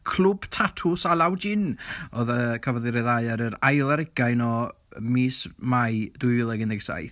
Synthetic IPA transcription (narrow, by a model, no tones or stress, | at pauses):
kʰl̥ˠʊb̥tʰatʰʊsalˠawd͡ʒɪnɔðəkʰavɔðɪɾɛðaɨaɾəɾajlˠaɾɪɡajnɔ | miːsmajd̥ujɪlˠɛɡənɪɡsa̰jθ